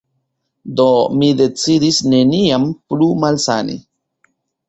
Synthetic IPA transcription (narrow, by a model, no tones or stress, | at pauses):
d̪o̞mid̪e̞t͡sidisne̞niamplumalsa̰nḭ